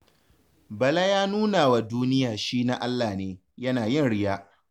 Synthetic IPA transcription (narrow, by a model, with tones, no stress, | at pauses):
bɐ˨la˦jaː˦nuː˦naː˨wa˨duː˦nɪ˦jaː˨ʃiː˦na˦ʔa˦lːaː˨neː˨ | jɐ˦naː˨jɪ˦˨nɽɪ˦jaː˦ʔ